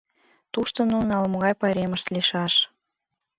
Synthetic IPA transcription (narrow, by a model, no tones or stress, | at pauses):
t̪uʃt̪ŏnunɑlmŏɣɑjpɑɾemə̆ʃt̪liʃɑʃ